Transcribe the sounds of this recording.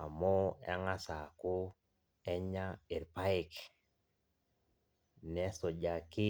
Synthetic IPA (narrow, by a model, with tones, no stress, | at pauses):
a˨mɔ˦ɛ̰˦ŋa˦sa˨kʊ˦ | ɛ˦ɲa˦ɪ˨ɾpa˦ɪ˦k | nɛ˦sɔ˨d͡ʒa˨kɪ˦